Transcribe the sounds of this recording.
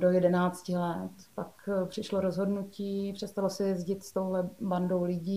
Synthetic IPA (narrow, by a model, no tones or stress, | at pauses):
dojɛdɛnaːt͡scɪlɛt̪pakpr̥ɪʃlo̞ɾozɦo̞dnuciːpr̝̥ɛst̪alosɛjɛzɟɪt̪st̪o̞wɦlɛbandowlɪɟiː